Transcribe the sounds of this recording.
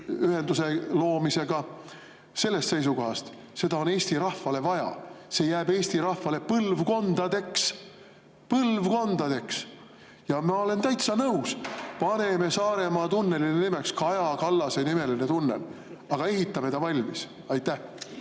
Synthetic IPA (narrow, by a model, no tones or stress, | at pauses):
yɦe̞nd̪use̞lo̞ːmise̞ɡ̥ɑ | se̞lːe̞st̪se̞jsuko̞ɦɑst̪ | se̞d̪̥ɑo̞ne̞ːst̪iɾɑhvɑle̞vɑjɑ̰se̞jæːbe̞ːsʲt̪iɾɑhvɑle̞pɤlvko̞nd̪̥ɑd̪̥e̞ks | pɤlvko̞nd̪̥ɑd̪̥e̞ks | jɑmɑo̞le̞nt̪æjt̪sɑnɤuspɑne̞me̞sɑːɾe̞mɑːt̪unːe̞linnimekskɑɑjɑkɑlːɑsenime̞linet̪unːḛl | ɑɡ̥ɑe̞ɦit̪ːˑɑme̞t̪ɑvɑlʲmis | ɑjt̪ːæh